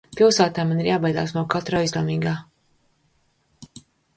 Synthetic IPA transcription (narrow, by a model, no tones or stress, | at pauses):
pilˠsaːt̪aːmaniɾjaːbajd̪a̰ːsmawkat̪ɾaːizlˠɛmiːɡaː